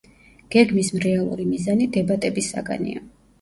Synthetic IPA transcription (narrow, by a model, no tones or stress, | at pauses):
ɡ̥ɛɡmismɾɛalˠṵɾimizanid̪ɛbat̪ʼɛbisa̰ɡa̰nḭa̰